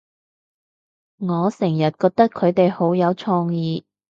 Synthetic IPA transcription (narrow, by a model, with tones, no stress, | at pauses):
ŋɔː˨˧sɛː˨˩ŋjɐ˨t̚kɔː˧k̚t̪ɐ˥kʰːɵ˨˧ɥt̪e˨jho˨˥wjɐ˨˧wt͡ʃʰɔː˧ŋjiː˨˧